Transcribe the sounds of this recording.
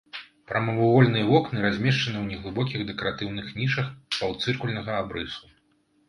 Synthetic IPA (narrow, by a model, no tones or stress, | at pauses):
pɾɐmɐvuvɔlʲnɨjɐvɔknɨɾazʲmʲɛʂt͡ʂɐnɨwnʲɛɣlˠɨbɔkʲiɣd̪ɛkɐɾat̪ɨwnɨxnʲiʂɐxpɐwt̪sɨrkulʲnɐɣɐabɾɨsu